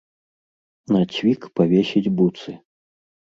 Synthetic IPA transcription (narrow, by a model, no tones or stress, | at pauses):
nat͡sʲvʲikpavʲesʲid͡zʲbut̪sɨ